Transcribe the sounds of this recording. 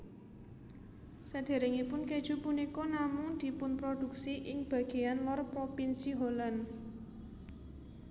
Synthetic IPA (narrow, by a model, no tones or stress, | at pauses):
səd̪̥e̤ɾeŋipʊnked̥ʒ̥ṳpunikɔnamʊŋd̪̥i̤pʊnpɾod̪̥ṳk̚siʔɪŋb̥ä̤ɡ̥e̤janlɔrpɾopinsiɦolan